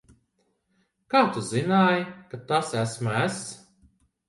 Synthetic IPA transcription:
kaːt̪uzinaːjikat̪asæsmæs

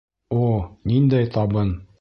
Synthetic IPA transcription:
onind̪æjt̪ɑbɤn

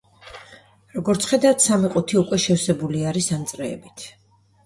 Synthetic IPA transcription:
ɾɔɡɔɾt̪sʰχɛd̪at̪ʰsamiqʼut̪ʰiukʼwɛʃɛfsɛbuliaɾisant̪sʼɾɛːbit̪ʰ

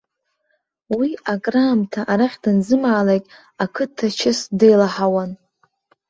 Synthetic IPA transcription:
wiakʼramtʰaʔaɾaħʲdɨnzɨmaːlakʲʼ | akʰɨtʰːat͡ʃʰɪsdejlaħawan

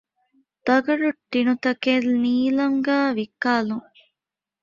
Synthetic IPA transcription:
d̪̥ɐɡɐɽuʈːinut̪ɐkelniːlɐŋɡaːʋikːaːluŋ

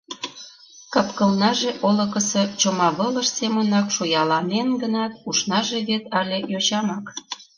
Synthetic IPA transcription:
kɑpkə̆lnɑʒeʔolə̆kəsɤt͡ɕomɑβələʃsemənɑkʃojɑlɑnenɡənɑt̪uʃnɑʒeβet̪ɑlʲejot͡ɕɑmɑk

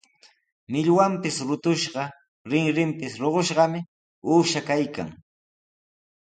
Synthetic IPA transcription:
mɪʎwampɪsɾʊt̪ʊʃɢɑ | ɾɪŋɾɪmpɪsɾoɢoʃɢɑmɪ | uːʃakajka̰ŋ

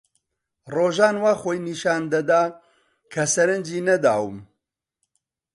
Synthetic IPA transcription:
roːʒaːnwaːxoːjniʃaːnd̪ɐd̪aː | kʰɐsɐɾɨnd͡ʒiːnɐd̪aːwɨm

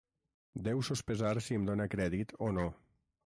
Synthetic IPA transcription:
d̪ɛwsospezaɾsiəmd̪onəkɾɛðit̪ono

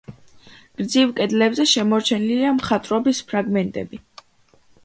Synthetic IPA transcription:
ɡ̥ɾd̪zivkʼɛd̪lɛbzɛʃɛmɔɾt͡ʃʰɛniliamχat̪ʼɾɔbispʰɾaɡmɛnt̪ʼɛ̰bi

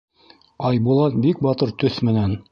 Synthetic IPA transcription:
ɑjbulˠɑt̪̚bik̚bɑt̪ɤɾt̪ɵθmɘ̆næn

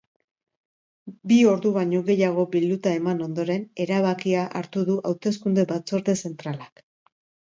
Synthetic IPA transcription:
bio̞ɾðuβaɲo̞ɣe̞jaɣ̞o̞bild̪ut̪ae̞mano̞nd̪o̞ɾe̞ne̞ɾaβ̞akiaʔa̰ɾt̪uðuʔawt̪e̞skund̪e̞bat͡so̞ɾðe̞se̞nt̪ɾalak

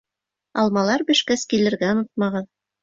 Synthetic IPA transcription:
ɑlˠmɑlˠɑɾbɘ̆ʃkæskilɘ̆ɾɡæŏnɤt̪̚mɑʁɤð

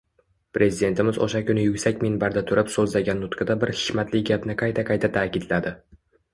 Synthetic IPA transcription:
pɾʔe̞zid̪e̞nt̪ʰɪmɪzo̰ʃakʲʰʊnɪjʊkʲsakʲminbaɾd̪at̪ʰʊɾɪpsɵzlaɡʲanːʊt̪qʰɨd̪abɪɾhɪ̥kʲmat̪lɪɡʲapnɪqʰɑjt̪ʰaqʰɑjt̪ʰat̪ʰaːkʲɪd̪lad̪ɪ

